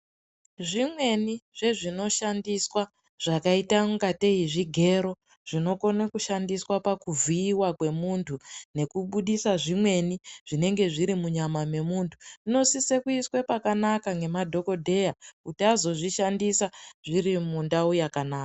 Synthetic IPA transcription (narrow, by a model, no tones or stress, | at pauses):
ʐimwe̞niʐ̥e̞ʐino̞ʃandiswa | ʐ̥akaitauŋɡate̞iʐiɡʱe̞ɾo̞ | ʐ̥ino̞ko̞nekuʃandiswapakuvʱiːwakwe̞muntʰune̞kuɓuɗisaʐimwe̞niʐ̥ine̞ŋɡe̞ʐiɾimuɲamame̞muntʰu̥ino̞sise̞kuiswe̞pakanakaŋɡe̞madʱo̞ko̞dʱe̞jakutiazo̞ʐiʃandisaʐiɾimundaujakanaːka